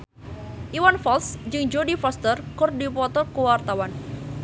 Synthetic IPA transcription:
ʔiwanfɔlsd͡ʒɨŋd͡ʒodifɔst̪ərkʊrdipɔt̪ɔrkuwart̪awan

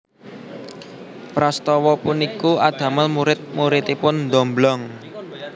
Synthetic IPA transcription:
pɾast̪ɔwɔpunikuʔad̪̥ä̤malmuɾɪt̪̚muɾit̪ipʊnnd̪ɔmblɔŋ

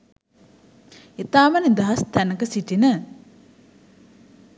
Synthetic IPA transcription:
et̪aːmənid̪ɐɦɐst̪ænəkəsiʈinə

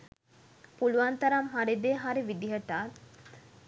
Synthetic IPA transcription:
puluʋant̪ɐɾɐmɦaɾid̪eːɦaɾiʋid̪iɦɐʈaːt̪

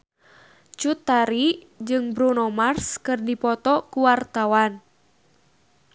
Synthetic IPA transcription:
t͡ʃut̪aɾi | d͡ʒɨŋbɾunɔmarskɨrdipɔt̪ɔkuwart̪awan

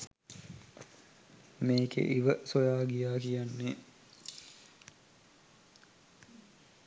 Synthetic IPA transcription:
meːkḛʔiʋəsojaːɡijaːkijanːe

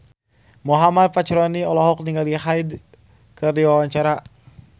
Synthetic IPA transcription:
mɔɦamad̚pat͡ʃɾɔniɔlɔɦɔk̚niŋɡalihajd | kɨrdiwawaɲt͡ʃaɾa

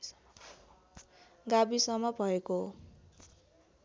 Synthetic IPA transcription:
ɡabisʌmːʌbʱʌeko

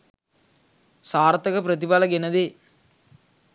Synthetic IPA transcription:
saːɾt̪ɐkɐpɾət̪̬ibalɐɡenɐd̪e

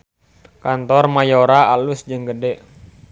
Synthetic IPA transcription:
kant̪ɔrmajoɾaalusd͡ʒɨŋɡədɛʔ

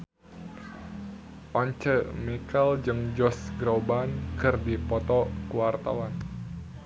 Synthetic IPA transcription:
ʔɔɲt͡ʃəmikɛld͡ʒɨŋd͡ʒɔsɡɾobankɨrdipɔt̪ɔkuwart̪a̰wan

